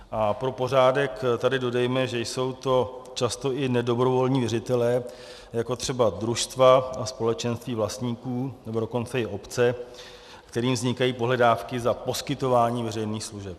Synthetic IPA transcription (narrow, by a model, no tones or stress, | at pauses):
ʔapɾo̞po̞r̝aːdɛkt̪adɪdo̞dɛjmɛʒɛjso̞wt̪o̞t͡ʃast̪o̞ʔɪnɛdo̞bɾo̞vo̞lɲiːvjɛɾɪt̪ɛlɛː | jako̞t̪r̝̥ɛbad̪ɾuʃst̪vaaspo̞lɛt͡ʃɛnst̪viːvlast̪ɲiːkuːnɛbo̞doko̞nt͡sɛɪʔo̞pt͡sɛ | kt̪ɛɾiːmvzɲɪkajiːpo̞ɦlɛdaːfkɪzapo̞skɪt̪o̞vaːɲiːvɛrɛjniːxsluʒɛp̚